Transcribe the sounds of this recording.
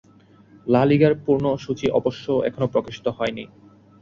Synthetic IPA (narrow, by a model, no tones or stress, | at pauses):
laliɡaɾpuɾnoʃut͡ɕiʔɔboʃːoɛ̰kʰonopɾokiʃi̥t̪oɦɔeni